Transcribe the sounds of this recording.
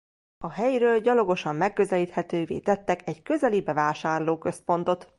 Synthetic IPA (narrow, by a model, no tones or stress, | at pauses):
ɒɦɛjɾøːlɟɒlo̞ɡo̞ʃɒmːɛkːø̞zɛliːt̪hɛt̪øːvḛːt̪ɛt̪ːɛkɛɟkø̞zɛlibɛvaːʃaːrloːkø̞spo̞nt̪o̞t̪